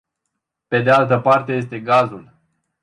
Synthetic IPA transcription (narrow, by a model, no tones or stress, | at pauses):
pe̞d̪ealt̪əpart̪e̞je̞s̬t̪e̞ɡazul